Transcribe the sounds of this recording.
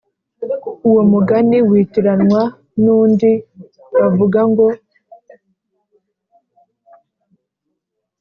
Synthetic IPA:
uwomuɡaniwiːtiɾanwa | nuːndi | βavuɡaŋɡo̞

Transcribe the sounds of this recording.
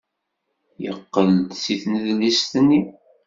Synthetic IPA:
jə̰qːəld̪siθnəðlist̪nːi

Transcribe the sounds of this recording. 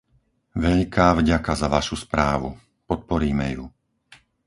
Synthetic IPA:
ʋɛʎkʰaːvɟakazaʋaʃuspɾaːʋu | pɔt̪̚pɔɾiːmɛ̰ju

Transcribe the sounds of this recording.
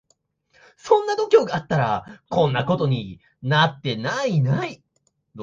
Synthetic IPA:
sõ̞nːad̪o̞kʲo̞ːɡaat̪ːaɾa̰kõ̞nːako̞t̪o̞ɲ̟i | nat̪ːe̞nainai

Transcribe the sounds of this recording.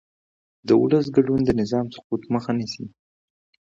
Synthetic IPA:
d̪əʊləs̬ɡaɖund̪ənɪzɑmsʊ̥qut̪məxanisi

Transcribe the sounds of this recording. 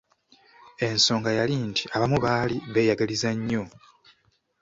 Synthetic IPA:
e̞nso̞ːŋɡajalintʰiʔaβamuβaːliβe̞ːjaɡalizaɲːo̞

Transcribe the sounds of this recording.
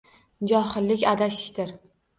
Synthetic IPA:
d͡ʒɒhɪlːɪkʲad̪aʃɪ̥ʃt̪ɪɾ

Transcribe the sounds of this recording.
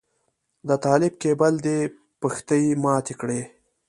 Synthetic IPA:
d̪ət̪ɑːlɪb̚kebald̪e | pəxt̪əjimɑːt̪ekɽe

